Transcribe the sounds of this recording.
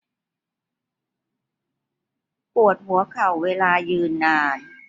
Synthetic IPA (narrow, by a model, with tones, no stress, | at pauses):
pu˨˩ət̪̚ɦu˨˩˦ɐkʰa˨˩wːeː˧laː˧jɯː˧nːaː˧n